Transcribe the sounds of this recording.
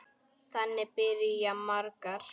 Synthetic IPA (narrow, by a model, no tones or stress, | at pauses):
t̪anepɪɾijamaɾkaɾ